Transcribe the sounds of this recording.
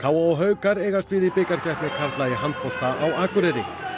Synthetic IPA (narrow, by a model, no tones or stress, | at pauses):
kʰaːwaɔɣɦœːɥkaɾeːjɣast̪vɪðipɪkaɾ̥cɛht̪nɪkʰaɾt̪laːjɪɦant̪fɔl̥t̪aʔawaːkʏɾɪɾɪ̰